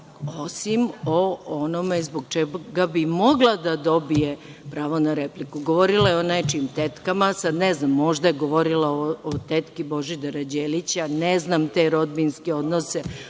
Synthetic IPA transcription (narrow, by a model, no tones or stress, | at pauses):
o̞simo̞onomezboɡt͡ʃeɡabimo̞ɡlˠad̪ad̪o̞bije | pɾaːʋo̞naɾeplikuɡoʋoɾilˠajeonat͡ʃimt̪et̪kamasad̪neznamːo̞ʒd̪ajeɡoʋo̞ɾilaoot̪et̪kibo̞ʒid̪aɾad͡ʑeːlit͡ɕaneznamt̪e̞ɾo̞d̪binskeo̞d̪nose